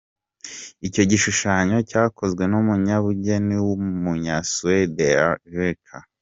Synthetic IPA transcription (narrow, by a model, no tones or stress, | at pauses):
ico̞ɟiʃuʃaɲo̞caːko̞zɡwe̞numuɲaβuɟe̞niwumuɲasuwedeavekʰa